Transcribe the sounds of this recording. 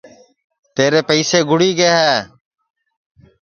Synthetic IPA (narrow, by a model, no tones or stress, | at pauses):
t̪eːɾeːpəɪseːɡʱʊɽiːɡeːɦɛː